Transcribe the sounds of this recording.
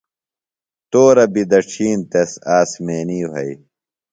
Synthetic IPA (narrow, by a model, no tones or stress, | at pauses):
t̪oːɾɐbid̪ɐʈ͡ʂʰiːnt̪esaːsmeːniːwɐ̰i